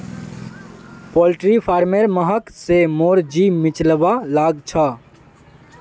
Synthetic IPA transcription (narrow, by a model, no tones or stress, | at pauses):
polʈɾipʰaːɾmeɾməɦəksemoɾd͡ʒimɪt͡ʃləbalaɡt͡ʃʰə